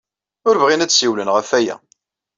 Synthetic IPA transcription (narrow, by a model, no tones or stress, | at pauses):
ʊɾvʁinæt͡sːsiwlənʁəfæjæ̰